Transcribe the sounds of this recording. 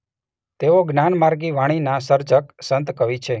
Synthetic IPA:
t̪eoɡnanmaɾɡiʋaɽ̃inasəɾd͡ʒəksənt̪kəʋit͡ʃʰe

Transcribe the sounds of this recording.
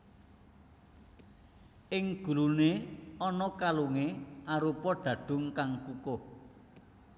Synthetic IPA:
ʔɪŋɡ̥ṳɾuneɔnɔkaluŋeʔaɾupɔɖ̥ä̤ɖ̪̥ʊ̤ŋkaŋkuko

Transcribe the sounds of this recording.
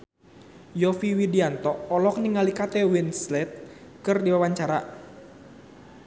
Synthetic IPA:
jɔfiwidiant̪ɔʔːlɔk̚niŋalikat̪ɛwinslɛt̪̚kɨrdiwawaɲt͡ʃaɾa

